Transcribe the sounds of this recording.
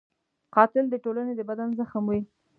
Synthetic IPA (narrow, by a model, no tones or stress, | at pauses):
qɑt̪ɪld̪əʈolaned̪əbad̪anzəxəmwi